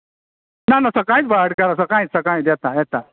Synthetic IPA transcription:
nanasəkãĩt͡sbʱaɽkaɾas̬əkãit͡ssəkãĩt̪jɛt̪ajɛt̪a

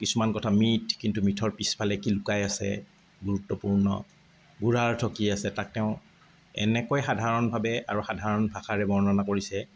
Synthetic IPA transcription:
kisumankɔtʰamitʰkintumitʰɔɹpispʰalɛkilʊkajasɛ̰ | ɡuɹutːɔpuɹnɔ̰ | buɹaɹtʰɔkiasɛtak̚tɛʊ̃ | ɛ̰nɛkojxadʱaɹɔnbʱabɛaɹuxadʱaɹɔnbʱaxaɹɛbɔɹɔnanakoɹisɛ

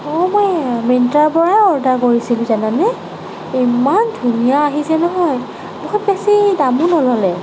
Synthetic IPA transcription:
ɔmɔjmintaɹpɔɹaɔɹdakoɹisilʊ̃zananɛ | imandʱunijaːɦisɛnɔɦɔj | muxʰɔt̚bɛsidamunɔlɔlɛ

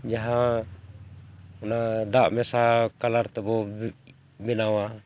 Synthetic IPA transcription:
d͡ʒaɦa | ɔnadaʔmɛsakalaɾt̪ɛbɔ | binawa

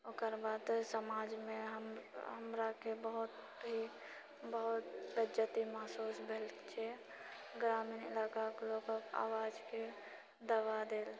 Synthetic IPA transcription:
okəɾbaːd̪səmaːd͡ʒmẽɦəmɦəmɾakebəɦʊt̪ | bʱi | bəɦʊt̪bəd͡ʒjət̪imasuːsbʱeːlt͡ʃʰɛ | ɡɾaːminɪ̰laːkakloɡəa̰ːʋaːd͡ʒke | d̪əʋad̪eːl

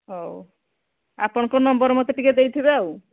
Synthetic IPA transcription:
ɦo | a̰pɔɽ̃kɔnɔmbɔɾmɔt̪eʈiked̪ejt̪ʰibeau

